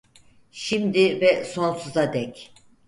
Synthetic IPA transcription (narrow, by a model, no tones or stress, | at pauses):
ʃimd̪ivɛso̞nsuzad̪ɛc